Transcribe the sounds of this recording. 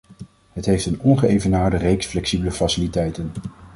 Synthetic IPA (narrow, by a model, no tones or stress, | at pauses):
ɦətɦejftənɔnχəejvənaːɹdərejksflɛksibələfɑsɪlitɛjtən